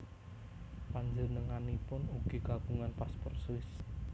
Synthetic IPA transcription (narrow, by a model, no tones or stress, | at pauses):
paɲd͡ʒənəŋanipʊnuɡ̥i̤ɡ̥aɡ̥uŋanpaspɔrt̪swɪs